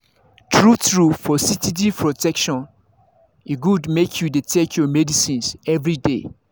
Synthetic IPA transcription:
tʰɹutɹufɔsitid̬ipʰɹotɛkʃɔ̃n | eɡudmekʰjudetʰekʰjɔmɛdisĩnsɛvɹide

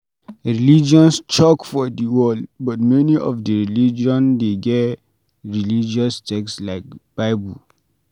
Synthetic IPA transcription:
ɹilid͡ʒɔ̃nst͡ʃɔkfɔdiwɔldbɔtmɛniʔɔfdəɹilid͡ʒɔ̃ndeɡɛt | ɹilid͡ʒɔstʰɛkslaɪk̚b̥aɪbul

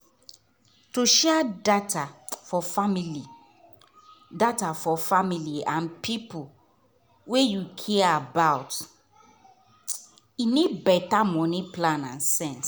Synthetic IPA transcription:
toʃɛadatafɔfamili | datafɔfamiliãnpʰipʰo | wejukʰiaabaʊt | inid̚bɛtamɔ̃nĩplãnã̰nsɛ̃ns

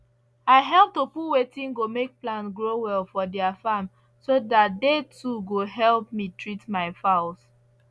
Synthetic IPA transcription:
aɪɦɛlˠp̚topuwetĩnɡomek̚plãnɡɹowɛlˠfɔdɛafam | sodat̚detʰuɡoɦɛlp̚mitʰɹitmaɪfaʊs

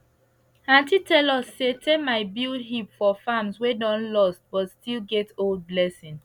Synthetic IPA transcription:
ãntitɛlɔsːetʰekmaɪbilɦipfɔfamswedɔ̃nlɔst̚b̥ɔtstʰilɡɛtold̚blɛsĩn

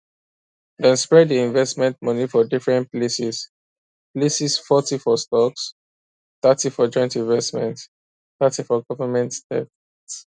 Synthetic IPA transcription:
dɛ̃nspɹɛddiĩnvɛstmɛ̃ntmʌnifɔdifɹɛ̃ntplesis | plesisfɔtifɔstɔks | θatifɔd͡ʒɔ̃ɪ̃ntĩnvɛstmɛ̃nt | θatifɔɡɔvəmɛ̃ntdɛ̰θ | s

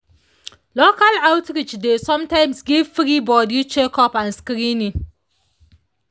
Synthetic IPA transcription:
lokalawtɾit͡ʃdesɔ̃mtaɪ̃msɡifiɾibɔdit͡ʃekʰɔpãnskɾini

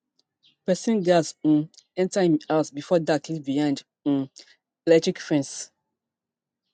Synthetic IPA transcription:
pɛsĩnɡazũɛ̃ntãmaʊsbifɔdakliviãnd͡ʒ | ũ | elɛtɹikfɹɛ̃ns

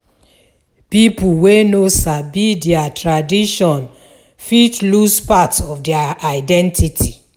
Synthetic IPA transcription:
pipuwenosabidɛatɹadiʃɔ̃n | fitluspatɔfdɛaaɪdɛ̃ntitʰi

